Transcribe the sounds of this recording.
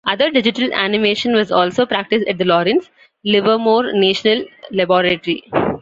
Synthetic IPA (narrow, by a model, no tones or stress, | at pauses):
ʔʌd̪əɾɖɪd͡ʒɪʈəlæ̰nɪmeːʃə̃nʋɔzɔːlsoːpɾæk̚ʈɪsʈæʈ̚d̪əlɔːɾɪ̃ns | lɪʋəmoːɾneːʃənəllebɔːɾeʈɾi